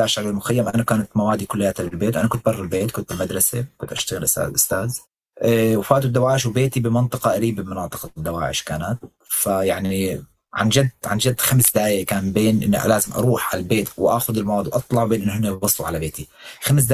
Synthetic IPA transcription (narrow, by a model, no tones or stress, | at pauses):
aːʃalɪlmʊxajːamʔanakaːnat̪mawaːd̪ikʊlːɪjːat̪alɪlbeːt̪wʔankʊnt̪bɑrˤːɪlbeːt̪kʊnt̪ɪlmad̪ɾˤɑsekʊnt̪ʔaʃt̪aɣɪlʔʊsa̰ːʔʊst̪aːz | ʔwfaːt̪ud̪ːawaːʕɪʃwbeːt̪ibɪmɑnt̪ˤɨqɑʔaɾiːbɪbmɑnɑːt̪ˤɨ̥qɑd̪ːawa̰ːʕɪ̰ʃkaːnat̪̚ | fajaʕni | ʕa̰nd͡ʒad̪ːʕand͡ʒad̪ːxamsd̪aːjakaːnbeːnʔɪ̰n̰ːʔa̰laːzɪmʔɑ̰ɾˤuːħʕa̰lalbeːt̪wʔaxʊd̪ɪlmawaːd̪iwʔɑt̪ˤlɑʕwbeːnʔɪnːɦɪnːabɑsˤːuʕalabeːt̪ixams̬d̪